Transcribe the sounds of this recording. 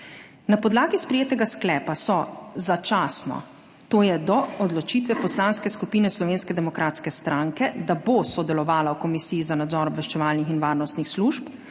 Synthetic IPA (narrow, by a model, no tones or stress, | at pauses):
napɔd̪laːɡispɾɛjeːt̪ɛɡasklɛːpasɔzat͡ʃaːsnɔ̰ | t̪oːjɛd̪ɔɔd̪lɔt͡ʃiːt̪ʋɛpɔslaːnskɛskupiːnɛslɔʋeːnskɛd̪ɛmɔkɾaːt̪skɛst̪ɾaŋkɛd̪abosɔd̪ɛlɔʋaːlawkɔmisijizanad̪zɔːɾɔbʋɛʃt͡ʃɛʋaːlnixinʋaːɾnɔst̪nixsluːʃp